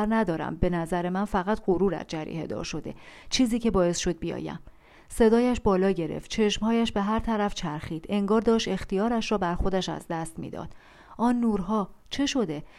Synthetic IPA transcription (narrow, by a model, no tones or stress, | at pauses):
ɾnæd̪ɒːɾæ̰mbe̞næzæɾe̞mænfæɣæt̪ʰɢoɾuːɾæ̰d͡ʒæɾḭːhe̞d̪ɒ̰ːɾʃo̞d̪e̞̰t͡ʃʰiːziːcʰe̞bɒːe̞sʃo̞d̪̚bijɒ̰ːjæ̰m | se̞d̪ɒːjæʃbɒːlɒːɟe̞ɾḛft̪̚t͡ʃʰe̞ʃmhɒːjæʃbe̞ɦæɾt̪ʰæɾæft͡ʃʰæɾxiːd̪̥e̞ŋɡɒːɾd̪ɒːʃt̪e̞xt̪ijɒːɾæʃɾɒːbæɾxo̞d̪æʃæ̰zd̪æst̪mḭːd̪ɒ̰d̪̥ | ʔɒːnːuːɾɦɒːt͡ʃʰe̞ʃo̞d̪e̞